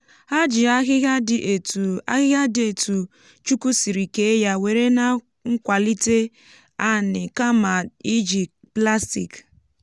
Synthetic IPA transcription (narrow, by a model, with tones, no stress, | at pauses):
ha˦d͡ʒɪ˨a˦ɣɪ˦a˦dɪ˨ʔe˨a˦ɣɪ˦ɣa˦dɪ˨e˨tu˨ | t͡ʃu˦ku˦si˨ɾi˨ke˦e˦ja˦we˨ɾe˦na˨ | ŋ̩˦kʷa˨li˦te˦ | a˦nɪ˨ka˦ma˨i˦d͡ʒi˨ | pla˦sti˨k